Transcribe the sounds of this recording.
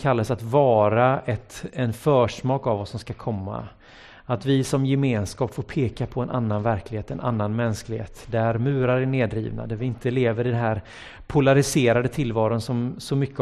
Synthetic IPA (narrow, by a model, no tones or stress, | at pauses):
kʰalːasat̪vɑːɾaɛt̪ɛnfœːʂmɑːkavɔsːɔmskakʰɔmːa̰ | at̪vɪsɔmjɛmeːnskɑːpfoːɾpʰeːkapʰɔɛnʔa̰nːanvæɾklɪheːt̪ɛnʔa̰nːanmɛnsklɪɡhḛːt̪d̪æɾmʉ̟ːɾaɾɛneːd̪ɾḭːvna̰d̪æɾvɪɪnt̪ʰəleːvəɾɪd̪ɛnɦæɾ | pʰʊlaɾɪseːɾad̪ət̪ʰɪlvɑːɾʊnsɔmsɔmʏkːə